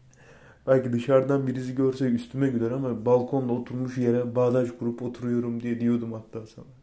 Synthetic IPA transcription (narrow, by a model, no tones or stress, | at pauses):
b̥ælʲcid̪ɯʃaɾd̪anbiɾisiɟø̞ɾsɛyst̪ʰymɛɟyzɛɾamabalˠkʰo̞nd̪ˠaot̪ʰuɾmuʃjeɾɛbaːd̪ad͡ʒɡuɾupo̞t̪ʰuɾujo̞ɾumd̪ijɛd̪ijo̞d̪umhat̪ʰːaːsana